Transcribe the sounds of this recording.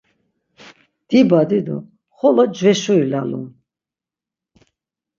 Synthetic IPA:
d̪̥ibad̪id̪ṵ | χɔlɔd͡ʒvɛʃuilalṵm

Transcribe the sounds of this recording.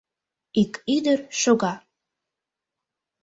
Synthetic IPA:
ikyd̪əɾʃoɣɑ

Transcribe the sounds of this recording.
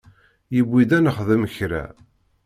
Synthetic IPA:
jəbːid̪ænəχðəməçɾæ̰

